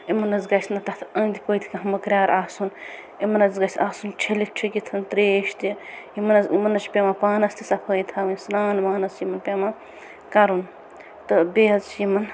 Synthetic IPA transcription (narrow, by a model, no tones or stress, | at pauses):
imɐnɐzɡɐjsnɐt̪ɐt̪ʰɐnd̪ʲipəːt̪ʰi̥kɐɦɐmɐkɾʲjaːɾʔaːsun | imɐnɐzɡɐsʲaːsunt͡ʃʰelitt͡ʃʰikit̪ʰɐnt̪ɾeːʃt̪iimɐnɐzimɐnɐt͡ʃpʲemapaːnɐst̪isɐpʰəːjit̪ʰaʋɐnʲsnaːnmaːnɐsjimɐnpʲema | kɐɾun | t̪ɨbeːɐt͡sjimɐn